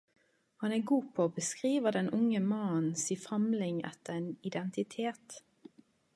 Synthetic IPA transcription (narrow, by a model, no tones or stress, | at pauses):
hɑnæːɡuːpʰoːoːbəskʁiːʋəʁd̪ɛnʔʊŋəmɑnsiːfɑmlɪŋɛ̰t̪əʁeːnɪd̪ɛnt̪ɪt̪ʰeːt̪